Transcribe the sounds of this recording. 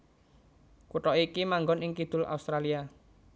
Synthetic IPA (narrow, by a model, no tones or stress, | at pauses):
kuʈɔikimaŋɡɔnɪŋkid̪̥ʊ̤la̰ust̪ɾalia